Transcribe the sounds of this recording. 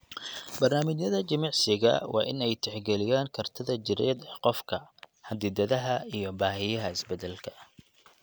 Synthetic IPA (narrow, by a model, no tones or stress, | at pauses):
bɐrnaːmɪt͡ʃjɐðɐt͡ʃɐmɑʕsɪɣɐ̰wɑ̰ːʔɪ̰nɛjt̪ʰɛħɡɛlɪjaːŋkʰɐrt̪ʰɐðɐd͡ʒɪɾɛ̰ːd̪ɛqɔfkʰɐhɐd̪ɪd̪ɐðɐɦɐijɞbaːɦɪjɐɦɐɪsbɛd̪ɛlkʰɐ̥